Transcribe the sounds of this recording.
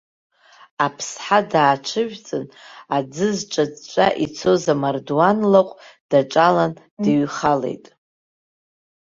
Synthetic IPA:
apʰsħadaːt͡ʃʷʰɨʒᶣt͡sʼɨnad͡zɨzʈ͡ʂʷʼad͡zt͡ʃʷʼa̰ʔit͡sʰo̞zamardwanlaqʷʼd̥aʈ͡ʂʼalan | dɨɥχale̞̰jtʼ

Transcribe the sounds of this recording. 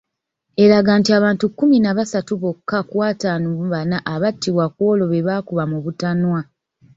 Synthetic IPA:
e̞ɾaɡaːntiaβaːntukːuminaβasatuβo̞kːakwaːtaːnuβanaʔːβatːiβwakwo̞lo̞βeβaːkuβamuβutanwa

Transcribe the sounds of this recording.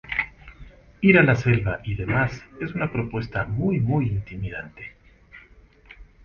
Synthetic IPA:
iɾalase̞lβaʔiðe̞mase̞sunapɾo̞pwe̞st̪amujmujint̪imiðant̪e̥

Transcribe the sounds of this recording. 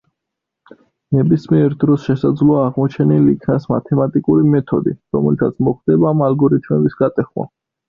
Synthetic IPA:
nɛbismiɛɾd̪ɾɔsʃɛsad̪zlɔaːʁmɔt͡ʃʰɛniliːkʰnasma̰t̪ʰɛmat̪ʼikʼuɾimɛt̪ʰɔ̰d̪ḭɾɔ̰mɛlt̪ʰat̪sʰmɔχd̪ɛbaːmalɡɔɾit̪ʰmɛbisɡat̪ʼɛχwa̰

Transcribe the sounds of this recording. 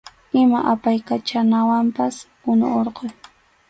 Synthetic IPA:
ɪmaʔapajkat͡ʃanawampaspʊnʊ̰oɾqoj

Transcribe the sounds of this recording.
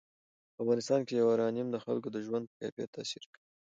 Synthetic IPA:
pafɣɑnɪst̪ɑnkejawaɾɑnimd̪əxa̰lkod̪əʒwand̪̚pə̥kɑ̰fija̰t̪ʰːasiɾkəi

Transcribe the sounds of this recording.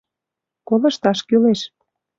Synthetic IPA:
kolɤ̆ʃt̪ɑʃkyleʃ

